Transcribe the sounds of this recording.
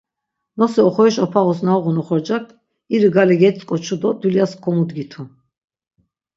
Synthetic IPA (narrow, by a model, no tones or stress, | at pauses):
nɔsɛɔχɔɛʃɔpʰaʁɔsnawʁunɔχɔɾd͡ʒaɾt̪ʰ | iɾiɡalɛɡɛt̪t͡sʼkʼɔt͡ʃʰud̪ɔd̪uljaskʰɔmud̪ɡit̪ʰu